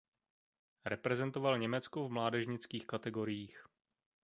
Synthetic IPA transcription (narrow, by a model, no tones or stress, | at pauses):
ɾɛpɾɛzɛnt̪ovalɲɛmɛt͡skovmlaːdɛʒɲɪt͡skiːxkat̪ɛɡo̞ɾɪjiːx